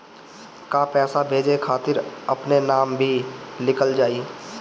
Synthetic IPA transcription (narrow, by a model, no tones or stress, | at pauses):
kapɛːsabʱeːd͡ʒekʰaːt̪ɪɾəpnenaːmbʱilɪkəld͡ʒaːiː